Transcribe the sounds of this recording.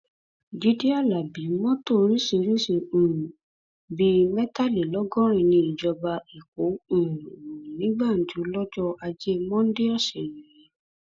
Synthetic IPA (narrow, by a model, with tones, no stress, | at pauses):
d͡ʒi˦di˦a˦˨la˨bi˨˦mɔ̃˦to˦˨˦ɾi˦ʃe˧˨ɾi˦ʃe˧ũ˨ũ˨ | bi˧mɛ˦ta˦˨le˨lɔ˦ɡɔ˦ɾ̃ĩ˧˨nĩ˧i˨d͡ʒɔ˧ba˧i˨k̚o˨˦ũ˨ɾ̃ũ˨nĩ˨˦ɡ͡ba˦˨n̩˨d͡ʒu˨˦lɔ˦d͡ʒɔ˦a˧d͡ʒe˦mɔ̃˦n̩˦de˦ɔ˦˨se˨nĩ˨ɾĩ˨˦